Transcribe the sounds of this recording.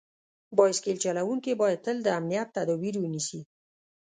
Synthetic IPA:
bɑjɪskelt͡ʃalawuŋkebɑjad̪̚t̪əld̪əamnijat̪ːad̪ɔwiɾwənisi

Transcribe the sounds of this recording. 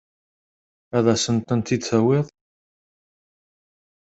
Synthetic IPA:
æðæsənt̪ˤənt̪id̪θæwɪðˤ

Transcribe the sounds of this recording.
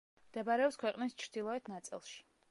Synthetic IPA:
md̪̥ɛbaɾɛɔpskʰwɛqʼnist͡ʃʰɾd̪̥ilˠɔɛt̪ʰnat̪sʼḭlˠʃi̥

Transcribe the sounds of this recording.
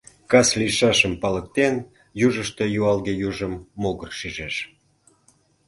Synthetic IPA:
kɑsliʃɑʃəmpɑlək̚t̪en | juʒəʃt̪e̽juɑlɣejuʒəmːoɣərʃiʒeʃ

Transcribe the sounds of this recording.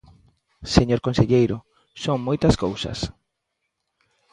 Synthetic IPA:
seɲoɾkõnseʎejɾʊ | soŋmojt̪ɐskowsɐ̰s

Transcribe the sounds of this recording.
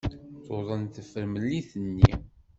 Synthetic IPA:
θoðˤənθəfəɾməlːiθənːi

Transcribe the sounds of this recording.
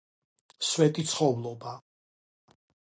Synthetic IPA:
swɛt̪ʼit̪sʰχɔvlˠɔba

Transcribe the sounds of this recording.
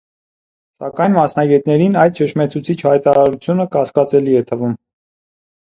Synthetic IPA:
sɑ̰kɑjnmɑsnɑɡɛt̪nɛɾinɑjd̪̚t͡ʃəʃmɛt͡sʰut͡sʰit͡ʃʰhɑjt̪ɑɾɑɾut͡sʰjunəkɑskɑt͡sɛliɛt̪ʰəvum

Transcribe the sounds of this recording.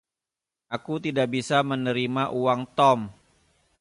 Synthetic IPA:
akut̪idaʔbisamənəɾimaʔuwaŋt̪ɔm

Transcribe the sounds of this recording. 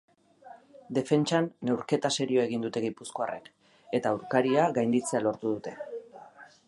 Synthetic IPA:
d̪e̞fe̞nt͡ʃanːe̞wɾke̞t̪ase̞ɾioae̞ɣ̞ind̪ut̪e̞ɣipusko̞arʔḛk | e̞t̪auwɾkaɾiaɣajnd̪it͡se̞alo̞ɾt̪uðut̪e̞

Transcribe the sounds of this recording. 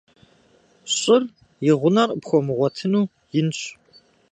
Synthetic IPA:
ɕʼɪr | jɪʁʷʊnɐrəpxʷɔmɨʁʷɔtʰɨnuː | jɪnɕʼ

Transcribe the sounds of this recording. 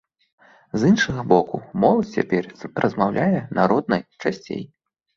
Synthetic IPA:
zɨnʂɐɣɐbɔkumɔlˠɐt̪ʲt͡sʲa̰pʲɛrrʔɐzmawlʲʔajɛnaɾɔd̪̚nɐjt͡ʂasʲt͡sʲḛj

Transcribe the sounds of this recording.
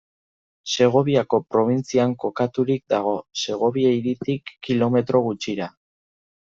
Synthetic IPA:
se̞ɣ̞o̞βiako̞pɾo̞β̞int͡siaŋko̞kat̪uɾik̚d̪aɣ̞o̞se̞ɣ̞o̞βiejɾit̪ikːilo̞me̞t̪ɾo̞ɣut͡ʃiɾa

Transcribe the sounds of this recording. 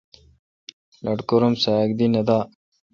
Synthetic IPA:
lɐʈkoɾomsak̚d̪inɐd̪aː

